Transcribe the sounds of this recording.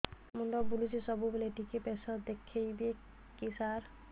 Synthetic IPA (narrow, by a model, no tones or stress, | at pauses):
mund̪ɔbulit͡ʃʰisɔbubeleʈikepesɔd̪ekʰejbe | kisaɾ